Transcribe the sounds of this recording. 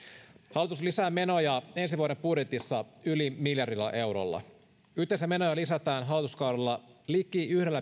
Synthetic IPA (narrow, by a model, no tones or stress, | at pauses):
hɑlit̪uslisæːmːe̞no̞jɑe̞nsiʋuoɾe̞mbudjet̪isːɑylimiljɑrilːɑ̰ʔe̞wɾo̰lːɑ̰ | yht̪ːˑenseæme̞no̞jɑlisæt̪æːnɦɑlːˑit̪uskɑwɾelːɑlikˑiyhde̞lːæ